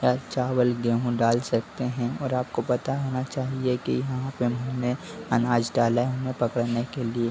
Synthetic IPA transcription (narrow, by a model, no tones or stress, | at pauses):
jaːt͡ʃaːwəlɡeɦũɖaːlsɐk̚t̪eɦɛ̃ɔːɾaːp̚kopɐt̪aɦoːnat͡ʃaːɦiekḭjɐɦãpemʊneɐnaːd͡ʒɖaːlaɦɐmẽpɐkəɽnekelie